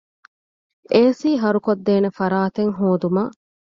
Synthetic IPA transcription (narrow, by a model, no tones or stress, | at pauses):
eːsiːɦɐɾukod̪ːeːnefɐɾaːt̪eŋɦoːd̪umaː